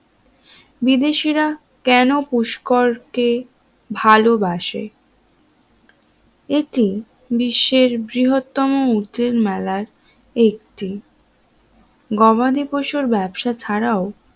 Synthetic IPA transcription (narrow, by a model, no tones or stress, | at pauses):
bid̪eʃiɾa | kɛnopuʃkoɾke | bʱalobaʃḛ | eʈi | biʃːeɾbɾiɦot̪ːɔmout̪eɾmɛlaɾ | ek̚ʈi | ɡɔbad̪ipoʃoɾbɛbʃat͡ɕʰaɾao